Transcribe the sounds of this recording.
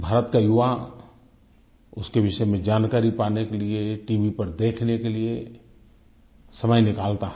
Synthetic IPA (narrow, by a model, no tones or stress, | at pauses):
bʱaːɾət̪kajʊʋa | ʊskeʋɪʃəemẽd͡ʒaːnkaːɾipaːnekelieʈiːʋipɐɾd̪eːkʰnekelie | sɐməjnɪkaːlt̪aɦɛ